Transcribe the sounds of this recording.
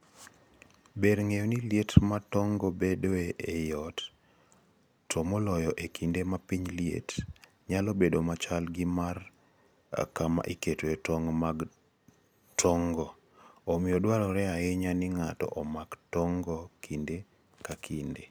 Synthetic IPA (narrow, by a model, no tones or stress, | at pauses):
beɾŋejoniljetmatɔŋɡɔbedoeʔejɔt | tʰomolɔjɔʔekʰindemapiɲliḛt | ɲalɔbedomat͡ʃalɡɪmar | a̰kama̰ʔiketoetɔŋmaɡ | tʰɔŋɡɔ | omɪjɔdwaɾɔɾɛaɪɲanɪŋatɔ̰ʔɔmaɡtɔŋɡɔkʰinde | kakʰinde